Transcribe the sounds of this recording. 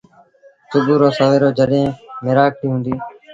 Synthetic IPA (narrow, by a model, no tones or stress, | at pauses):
sʊbuːɾoːsoːʋeːɾoːd͡ʒəɗɦẽːmɪɾaːk̚ʈĩːɦũːnd̪iː